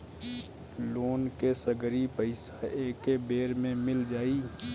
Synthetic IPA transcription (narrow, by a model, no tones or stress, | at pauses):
loːnkesəɡɾipəɪsaeːkebeːɾmẽmɪld͡ʒaːiː